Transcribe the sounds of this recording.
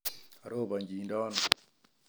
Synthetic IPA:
a˨ɾo˦ba˨ɲd͡ʒi˨ndɔ˦n

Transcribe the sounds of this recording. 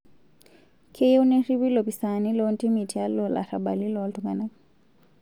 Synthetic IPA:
kʰeju˦nɛ˦ri˦βi˦lɔ˨pi˨sani˦lɔ˦nti˦mi˨tia˦lɔ˨la̰˨ɾa˨ɓa˨li˦lɔ˨ltuŋɡana˦

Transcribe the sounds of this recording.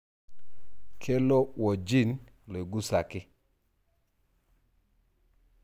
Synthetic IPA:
kʰe˦lɔ˦wɔ˨d͡ʒi˦˨nle˨ɡu˦sa˨kɪ˦

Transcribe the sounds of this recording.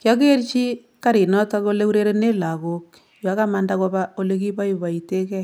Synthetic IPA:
kjɔ˦k̬e˦ɾt͡ʃi˦ | ka˦ɾi˨nɔ˦ta˦ko˦le˦u˦ɾe˦ɾe˦ne˦la˨ko˦k | jo˨a˨˦ka˦ma˦ndako˦ba˦o˦le˦k̬i˦pa˦ju˨ba˨i˨te˦kɛ˦

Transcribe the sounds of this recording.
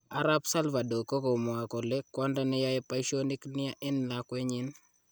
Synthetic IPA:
a˦ɾa˦psa˦lva˨do˨ko˦ko˨mɔ˨a˨ko˨lɛ˦kːwɔ˦nda˦nɛ˦ja˦jɛ˦pa˦i˦ʃo˦ni˦knɪ˦ja˦ʔɪ˦nla˦kwe˦ɲɪ˦n

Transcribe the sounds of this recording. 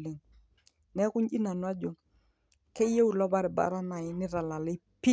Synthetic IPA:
le˨ŋ | nɛ˦kʊ˦ɲʔi˦na˨nwa˦d͡ʒo˨ | ke˦je˦u˨lɔ˦ba˦ɾɪ˨ba̰˨ɾa˦na˨ɪ˦nɪ˦ɾa˨la˨lɪ˦ | pi˦

